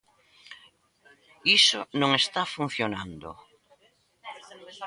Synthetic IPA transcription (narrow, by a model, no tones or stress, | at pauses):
isonõŋest̪afun̟θjonand̪o̰